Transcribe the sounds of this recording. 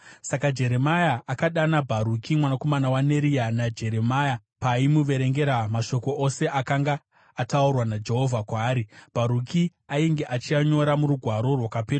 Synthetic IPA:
sakad͡ʒe̞ɾe̞majaʔakaɗanabʱaɾukʰimwanako̞manawane̞ɾijanad͡ʒe̞ɾe̞majapaimuʋe̞ɾe̞ŋɡe̞ɾamaʃo̞ko̞ʔose̞ʔakaŋɡaː | taurwanad͡ʒe̞ɦo̞vʱakwaːɾib̥ʱaɾukiaiŋɡeʔat͡ʃiaɲo̞ɾamuɾuɡʱwaɾo̞rwakapeːra

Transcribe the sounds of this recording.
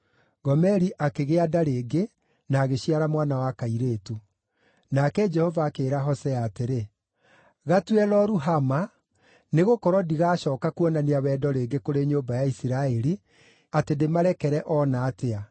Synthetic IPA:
ɡɔmɛɾiʔakeɣeadaɾeːɡe | naːɣeɕiaɾamwaːnawakaiɾeːtu | nakɛd͡ʒɛhɔvaːkeːɾaɦɔsɛaːteɾe | ɣatwɛlɔɾuɦama | neɣokɔɾɔdiɣaːɕɔːkakuɔnaneawɛːdɔɾeːŋɡekoɾeɲoːmbajaisiɾaɛɾi | atendemaɾɛkɛɾɛʔɔnaːtea

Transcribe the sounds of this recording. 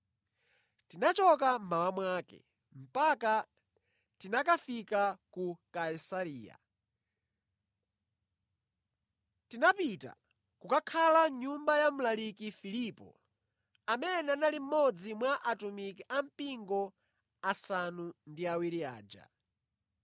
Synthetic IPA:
tinat͡ʃɔkam̩mawamwaːkɛ̰ | m̩paka | tinak̬afikakukaisaɾiːja̰ | tinapita̰ | kukakʰalaɲumbajamulalikifilipɔ̰ | amɛnɛanalim̩mɔd͡zimwaʔatumikiʔam̩piŋɡɔ | asanundiawiɾia̰ːd͡ʒa̰

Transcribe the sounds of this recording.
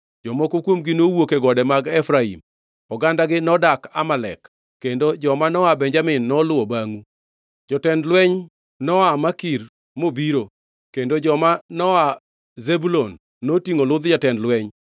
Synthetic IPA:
d͡ʒɔmɔkokwomɡɪnowokeɡɔdɛmaɡɛfɾaḭm | ɔɡandaɡɪnɔdaka̰malɛ̰kː | endod͡ʒɔmanɔabɛɲd͡ʒamɪnːɔlʊɔbaŋu | d͡ʒɔtɛndlwɛɲ | nɔamakiɾ | mobiɾo | kendod͡ʒɔmanɔa | zebulonː | otiŋolʊd̪d͡ʒatɛndlwɛɲ

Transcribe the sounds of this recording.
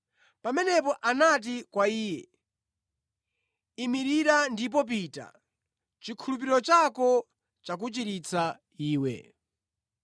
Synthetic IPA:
pamɛnɛpɔʔanat̬ikwaiːjɛ | imiɾiɾandip̬ɔp̬ita̰ | t͡ʃikʰulup̬iɾɔt͡ʃakɔ | t͡ʃak̬ut͡ʃiɾit͡sʰa | iːwɛ̰

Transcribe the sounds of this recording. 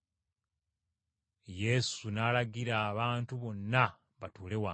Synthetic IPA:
je̞sunaːlaɡiɾaːβaːntuβo̞nːa | βatuːle̞wa

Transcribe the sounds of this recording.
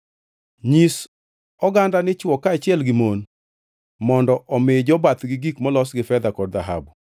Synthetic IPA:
ɲis | ɔɡandanɪt͡ʃwɔkaːt͡ʃɪɛlɡɪmon | mɔndɔʔɔmɪd͡ʒɔbat̪ɡɪɡikmɔlɔsɡɪfɛd̪akɔdd̪aɦa̰bu

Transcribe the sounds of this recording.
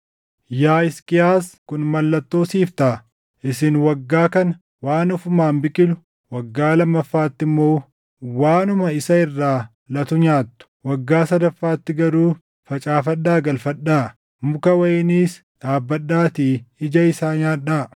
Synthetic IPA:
jaːɪskʼɪjaːskʊnmɐlːɐt̪ːo̞ːsiːft̪ɐ | ʔɪsɪnwɐɡːaːkɐnɐ | waːnʊfʊmaːmbɪkʼɪlʊ | wɐɡːaːlɐmːɐfːaːt̪ːɪmːo̞ː | waːnʊmɐɪsɐɪrːaː | lɐt̪ʊɲaːt̪ːʊ̥wɐɡːaːsɐd̪ɐfːaːt̪ːɪɡɐɾuː | fɐt͡ʃʼaːfɐɗːaːɡɐlfɐɗːaː | mʊkɐwɐjɪniːs | ᶑaːbːɐɗːaːt̪iːɪd͡ʒɐɪsaːɲaːᶑaː

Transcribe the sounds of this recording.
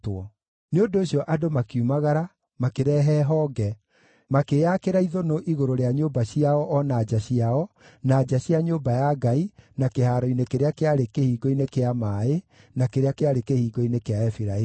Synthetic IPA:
twɔ | neondoːɕiɔʔadomakiumaɣaɾa | makeɾɛːɦɛːɦɔɡɛ | makeakeɾaiðonoʔiɣoɾoɾeaɲoːbaɕiaɔʔɔnaːd͡ʒaɕiaɔ | naːd͡ʒaɕiaɲoːbajaɡainakehaːɾoinekeɾeakeaɾekehiːɡɔinekeamaːe | nakeɾeakeaɾekehiːɡɔinekeaɛfiɾae

